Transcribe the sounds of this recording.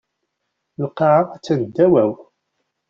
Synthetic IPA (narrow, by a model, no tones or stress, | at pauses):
lqːɑʕaæt͡sːænəd̪ːæwæw